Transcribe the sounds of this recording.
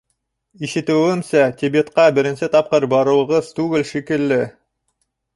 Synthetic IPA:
iʃɘ̆t̪ɘ̆wɘmsæt̪ʲibet̪qɑbɘ̆ɾɘ̆nsɘt̪ɑp̚qɤɾbɑɾɤ̆wˠɤ̆ʁɤz̥t̪ʉɡɘlʃikɘ̆lːɘ

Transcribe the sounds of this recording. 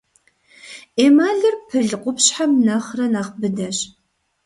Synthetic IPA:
eːmaːɮɨrpʰɨɮqʷʊpɕħamnɐχrɐnaːχbɨdɐɕ

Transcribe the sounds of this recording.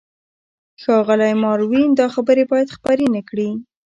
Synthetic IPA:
xɑɣəlajmɑɾwind̪ɑxabəɾebɑjad̪xpaɾenakɽi

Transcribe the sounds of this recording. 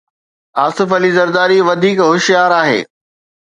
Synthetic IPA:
aːsɪfɐlizɐɾd̪aːɾiʋɐd̪ʱiːkɦʊʃijaːɾaːɦḛː

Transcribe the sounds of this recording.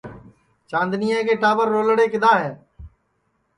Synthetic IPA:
t͡ʃãːnd̪nɪjãːkeːʈaːbəɾːoːlɽeːkɪd̪aːɦɛː

